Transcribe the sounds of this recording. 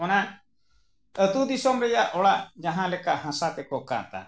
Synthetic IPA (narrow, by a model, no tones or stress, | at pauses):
ɔnan | ət̪ud̪isɔmɾɛjaʔʔɔɽad͡ʒaɦãlɛkaʔhãsat̪ɛkɔka̰t̪a̰